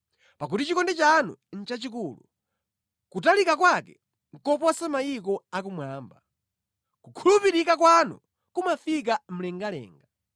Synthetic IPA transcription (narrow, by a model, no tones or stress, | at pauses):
pak̬utit͡ʃikɔndɛt͡ʃanṵn̩t͡ʃat͡ʃikuːlu | kutalikakwakɛ | ŋ̩kɔp̬ɔwasamajikɔak̬umwaːmba | kukʰulupiɾikakwanɔ̰ | kumafik̬am̩lɛŋɡalɛ̰ːŋɡa